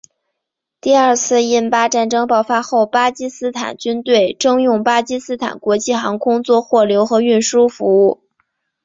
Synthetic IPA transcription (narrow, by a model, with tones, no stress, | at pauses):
t̪i˥˧ɐ˞˥˧t͡sʰɹ̩˥˧i˥˩npa˥ʈ͡ʂa˥˩nʈ͡ʂɤ˥ŋpɑ˥˩ʊfa˥xo˥˩ʊpa˥t͡ɕi˥sɹ̩˥t̪ʰa̰˨˩nt͡ɕy˥nt̪we˥˩ɪʈ͡ʂɤ˥ŋjʊ˥˩ŋpa˥t͡ɕi˥sɹ̩˥t̪ʰa̰˨˩nkwɔ˧˥t͡ɕi˥˩xɑ˧˥ŋkʰʊ˥ŋt͡swɔ˥˧xwɔ˥˩ljo˧˥ʊxɤ˧˥y˥˩nʂu˥fu˧˥u˥˩